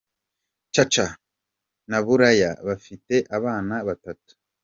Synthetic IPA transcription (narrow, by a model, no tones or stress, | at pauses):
t͡ʃat͡ʃa | naβuɾaja̰βafite̞ʔaβaːnaβatatu̥